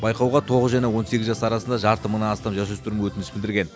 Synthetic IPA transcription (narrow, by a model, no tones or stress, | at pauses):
bɑjqɑwʁɑt̪ʰo̞ʁəzʒæne̞wo̞nse̞ɡʲɪzʒɑsəɑɾɑsənd̪ɑʒɑɾt̪əmənɑnɑst̪ɑmʒɑs̬ɵst̪ʊɾɪmwɵt̪ɪnɪsbɪld̪ɪɾɡʲe̞n